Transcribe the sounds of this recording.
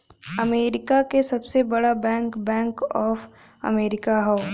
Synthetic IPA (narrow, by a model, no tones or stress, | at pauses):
ɐmeːɾɪkakesɐbsebɐɽabɛ̃ːŋkbɛ̃ːŋkɔːf | ɐ̰meːɾɪkaɦoː